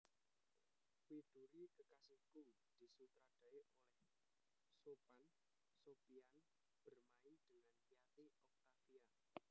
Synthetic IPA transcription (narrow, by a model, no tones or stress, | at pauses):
wid̪̥uɾikəkasiku | d̪̥i̤sut̪ɾad̥a̤eʔolɛh | sopan | sopian | b̥ərmaid̪̥əŋanijat̪iɔk̚t̪afia